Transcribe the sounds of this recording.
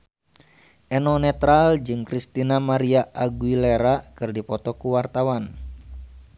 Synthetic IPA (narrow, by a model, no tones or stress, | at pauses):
ʔɛnɔnɛt̪ɾald͡ʒɨŋkɾist̪inamaɾiaʔaɡuilɛɾakɨrdipɔt̪ɔkuwart̪awan